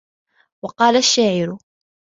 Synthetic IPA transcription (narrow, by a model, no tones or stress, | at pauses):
wɑqɑːlaʃːaːʕɪɾʊ